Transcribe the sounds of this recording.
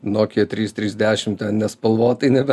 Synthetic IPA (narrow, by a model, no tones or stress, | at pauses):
noːkʲiɛt̪ʲɾʲiːst̪ʲɾʲiːzʲd̪ʲæːʃʲɪmt̪ʲɛnnʲɛspɐlˠʋoːt̪ɐɪnʲɛbʲɛ